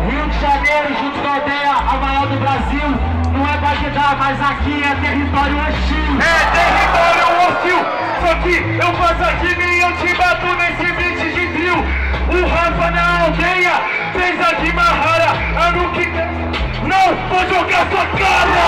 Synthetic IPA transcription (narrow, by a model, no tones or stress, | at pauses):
hiwd͡ʒɪʒanejɾʊʒũnt̪ʊ̥kad̪ejɐamajɔwd̪ʊbɾaziw | nɐ̃w̃ɛt̪aked̪amajzakiɛt̪eɦit̪ɔɾjʊɐ̃ʃiɡ̪ʊɛt̪ehit̪ɔɾjʊãt͡ʃiw | sɔkɪ | ewfasakinẽewt͡ʃibat̪ʊnesivĩt͡ʃɪd͡ʒɪviw | ʊɦafɐnɐawd̪ejɐ | fẽjzad͡ʒimaɦaɾɐ | anũkɪ | nɐ̃w̃voʒoɡasuɐkazɐ